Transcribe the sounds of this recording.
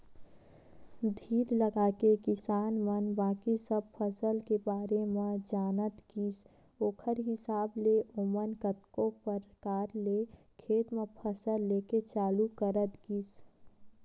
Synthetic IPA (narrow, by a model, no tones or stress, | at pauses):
d̪ʱiːɾləɡaːkekɪsaːnmənbaːkisəb̚pʰəsəlkebaːɾemẽd͡ʒaːnət̪ɡiːs | oːkʰəɾɦɪsaːbleʔomənkət̪kõpəɾkaːɾle | kʰeːt̪mẽpʰəsəlːeːket͡ʃaːlukəɾət̪ɡiːs